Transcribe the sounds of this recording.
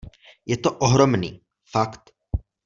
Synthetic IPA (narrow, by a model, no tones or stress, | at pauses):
jɛt̪oʔoɦɾomnḭː | fakt̪